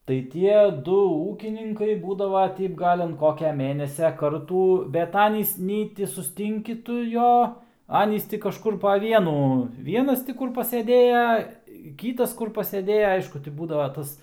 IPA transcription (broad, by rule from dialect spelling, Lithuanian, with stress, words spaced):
tɐɪ ˈtʲiɛ ˈdʊ ˈuːkʲɪnʲɪŋkɐɪ ˈbuːdɐʋɐ ˈtʲɛɪp ˈɡɐlʲ ɐn ˈkoːkʲɛ ˈmʲeːnʲɛsʲɛ ˈkɐrtuː bʲɛt ˈɑːnʲiːs ˈnʲɛɪ tʲɪ sʊsʲˈtʲɪŋʲkʲɪ ˈtʊ ˈjoː ˈɑːnʲiːs ˈtʲɪ kɐʃˈkʊr pɐ ˈʋʲiɛnuː ˈʋʲiɛnɐs tʲɪ ˈkʊr pɐsʲeːˈdʲeːjɛ ˈkʲiːtɐs ˈkʊr pɐsʲeːˈdʲeːjɛ ˈɐɪʃkʊ tʲɪ ˈbuːdɐʋɐ ˈtɐs